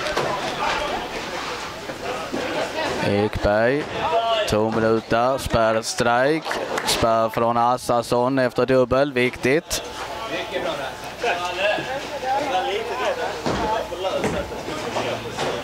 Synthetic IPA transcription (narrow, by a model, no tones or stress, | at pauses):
ekbæɾjt̪ʰuːmɪnʉ̟ːt̪aspæɾst̪ɾajkspæɾfɾɔnasasɔnːɛft̪əɖɵbːəlvɪkt̪ɪt̪ | lit̪əd̪